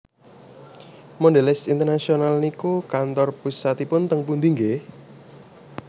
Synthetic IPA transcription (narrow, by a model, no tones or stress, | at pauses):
mɔnɖelɛsint̪ərnasionalnikukant̪ɔrpusat̪ipʊnt̪əŋpund̪iŋɡe